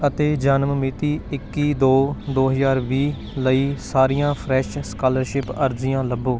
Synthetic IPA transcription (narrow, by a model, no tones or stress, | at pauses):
ət̪eːd͡ʒəːnmmit̪iːɪkːiːd̪oːd̪oːɦəzaːɾʋiː | ləiːsaːɾijãːpʰɾɛːʃskaːləɾʃɪpəɾd͡ʒɪjãːləbːoː